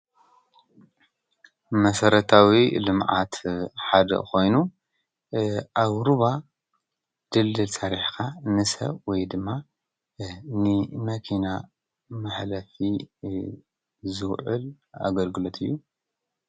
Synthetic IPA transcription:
mɐsɐɾɐt̪ʰawilɨmʕat̪ħad̪ɐ̰ko̞jnu | ʔaβɾuβa | d̪̥ɨlːɨlsaɾiħkʰanɨsɐ̰βwɔjd̪ɨmːa | nɨmɐkʰina | mɨħlɐfi | zɨɣʕɨl | a̰ɡɐlɡɨlot̪ʰɨjːu

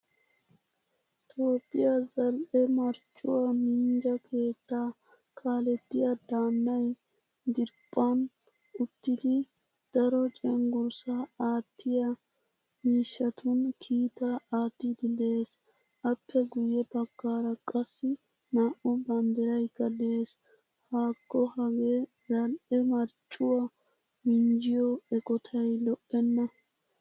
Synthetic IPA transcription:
t̪ʰo̞ːpʼːɪjɐzɐlʔɛmɐɾt͡ʃʼːʊwɐmiːnd͡ʒɐkʰe̞ːt̪ːaː | kʰaːlɛt̪ːɪjɐd̪aːnd̪ɐj | d̪ɪɾpʼːɐn | ʊt̪ːɪd̪ɪ | d̪̥ɐɾɔt͡ʃʼɛŋɡʊɾsaaːt̪ːɪjɐ | miːʃːɐt̪ʰʊnkʰiːt̪aaːt̪ːɪd̪ɪd̪e̞ːs | ʔɐpʰːɛɡʊjːɛbɐkːaːɾɐkʼɐsːɪ | maːʔɔbɐnd̪ɛɾɐjkːɐd̪eːs | haːkːɔhɐɡeː | zɐlʔɛmɐɾt͡ʃʼːʊwɐ | mɪnd͡ʒɪjɔɛkʼɔt̪ʰɐjlɔʔːɛnːɐ

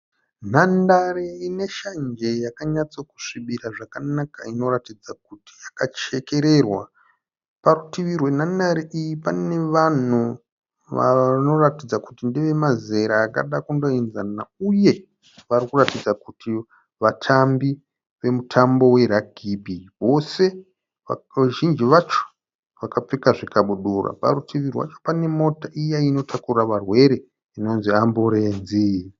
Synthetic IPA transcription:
n̤andareine̞ʃand͡ʒe̞jakaɲat͡soku̥ʂiɓiɾaʐakanakaino̞ɾatid͡zak̚uti̥jakat͡ʃe̞ke̞ɾe̞rwa | paɾutiʋirwe̞n̤andaɾiʔijipane̞ʋan̤u | ʋa̰no̞ratid͡zakutindiʋe̞maze̞ɾaːka̰ɗakundo̞inzanauje̞ | ʋarikuratid͡zakutʰi | ʋatʰambi | ʋe̞mutʰambo̞we̞ɾaɡʱibʱiwo̞se̞ | aʒind͡ʒiʋat͡ʃo̥ | ʋakap͡fikaʐikaɓuɗura̰pa̰ɾutʰiʋirwa̰t͡ʃo̥pane̞mo̞taʔijaino̞tʰakuraʋarwe̞ɾe̞ | ino̞nziamboɾenzi

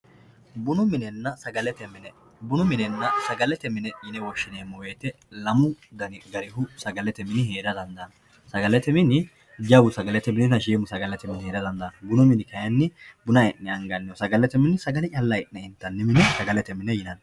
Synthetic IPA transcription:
bʊnʊmɪnɛnːɐsɐɡɐlɛt̪ɛmɪnɛ | bʊnʊmɪnɛnːɐsɐɡɐlɛt̪ɛmɪnɛjɪnɛwɔʃːɪneːmːɔweːt̪ɛ | lɐmʊd̪ɐnɪɡɐɾɪɦʊsɐɡɐlɛt̪ɛmɪnɪheːd̪ɐd̪ɐnd̪ɐn | sɐɡɐlɛt̪ɛmɪnɪ | d͡ʒɐwʊsɐɡɐlɛt̪ɛmɪnɪnɐʃeːmʊsɐɡɐlɛt̪ɛmɪnheːd̪ɐd̪ɐnd̪ɐnɐbʊnʊmɪnɪkɐjɐnːɪbʊnɐjnːɪɐŋɡɐnːɪɔsɐɡɐlɛt̪ɛmɪnɪsɐɡɐlɪt͡ʃʼɐlːɐjnnɛɪnt̪ːɐnːɪmɪnɛsɐɡɐlɛt̪ɛmɪnɛjɪnɐn

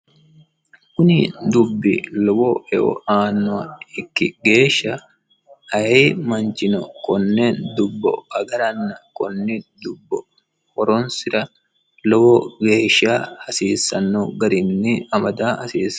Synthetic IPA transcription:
kʊnɪd̪ʊbːɪ̰lɔbɔɛʔɔ̰aːnːɔɐɪkːɪɡe̞ːʃːɐ | ɐheːmɐnt͡ʃɪnɔ̰kɔnːeːnd̪ʊbːɔ̰ɐɡɐɾɐnːɐkɔnːɪd̪ʊbːɔ | kɔɾɔnsɪɾɐ | lɔbɔɡeːʃaːɐsiːsɐnːɔɡɐɾɪmnːɪɐmɐd̪aːhɐsiːs

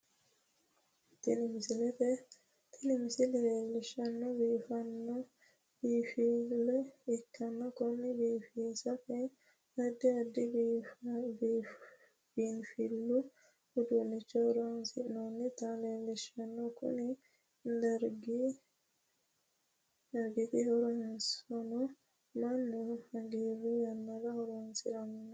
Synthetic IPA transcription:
t̪ɪnɪmsɪlɛfɛ | t̪ʰɪnɪmsɪleːlːɪʃɐnːɔbiːfɐnːɔ | b̥iːfilːɔɪkːɐnːɔkʊnːɪbiːfiːsɐfɛ | ɐd̪ːɪɐd̪ːɪ | b | b̥iːnfilːʊ | hʊd̪unːɪt͡ʃːɐhɔɾɔnsɪnɔnːɪt̪alelːɛʃɐnːɔkʊ̰nɪ | d̪ɐɾɡi | ɾɡɪt̪ɪhɔɾɔɛnsɔnɔ | mɐnːʊhɐɡiɾujɐnːɐɡɐhɔɾɔnsɪɾɐmʊn

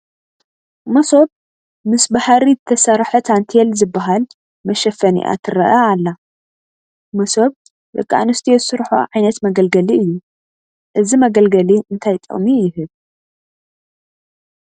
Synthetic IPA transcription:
mɐso̞b̚ | mɨsbahaɾizɨt̪ʰɐsɐɾħot̪ʰant̪ʰelzɨbːaɦal | mɐʃɐfɐnḭʔa̰t̪ʰɨɾɐ̰ʔaalːa | mɐso̞b̚ | lɨ̰kʼːa̰nɨst̪ʰiezɨsɨɾħṵʕajnɐt̪mɐɡɐlɡɐliɨjːu | ʔɨzimɐɡɐlɡɐliɨnt̪ʰajt̪ʼɨ̰χʼmijɪhɨβ

